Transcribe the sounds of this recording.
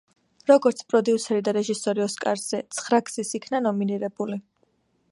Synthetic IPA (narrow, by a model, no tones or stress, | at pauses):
ɾɔɡɔɾt̪sʰpʼɾɔd̪iusɛɾid̪aɾɛʒisɔɾiɔskʼaɾz̥ɛt̪sʰχɾakʰsisikʰnanɔminiɾɛbuli